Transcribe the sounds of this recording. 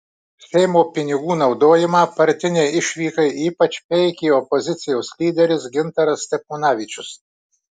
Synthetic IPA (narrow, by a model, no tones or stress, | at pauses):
sʲɛɪmoːpʲɪnʲɪɡuːnɒʊd̪oːjɪmɑːpɐɾʲt̪ʲɪnʲeːɪʃʲʋʲiːkɐɪʔiːpɐt͡ʃʲpʲɛɪkʲiːɔpɔzʲɪt̪sʲɪjoʊslʲiːd̪ʲɛɾʲɪsɡʲɪnt̪ɐɾɐsʲt̪ʲɛpuːnɑːʋʲɪˑt͡ʃʲʊs